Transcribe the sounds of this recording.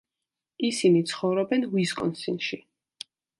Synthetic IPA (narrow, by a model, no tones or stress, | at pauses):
isinit̪sʰχɔvɾɔbɛnwiskʼɔ̰nsinʃi